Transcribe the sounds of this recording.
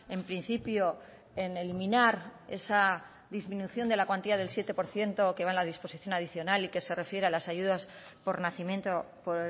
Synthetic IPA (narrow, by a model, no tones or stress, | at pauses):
e̞mpɾin̟θipjo̞ | ene̞limĩnaɾe̞sa | ðizmĩnuθjo̞nd̪e̞lakwant̪iðað̞e̞lsje̞t̪e̞po̞ɾθje̞nt̪o̞ke̞βanlaðispo̞siθjo̞nað̞iθjo̞nalike̞se̞re̞fje̞ɾealasaʝuðas | po̞ɾnaθimjẽ̞nt̪o | po